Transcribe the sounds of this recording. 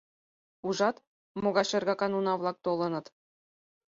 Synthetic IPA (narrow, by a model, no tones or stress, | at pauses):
uʐɑt̪ | moɣɑʃĕrɡɑkɑnunɑvlˠɑk̚t̪olˠɤ̆nɤ̆t̪